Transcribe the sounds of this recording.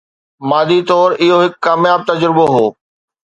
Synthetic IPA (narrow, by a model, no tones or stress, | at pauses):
maːd̪it̪ɔːɾɪɦoɦɪkːaːmjaːb̚t̪ɐd͡ʑɾɪboɦoː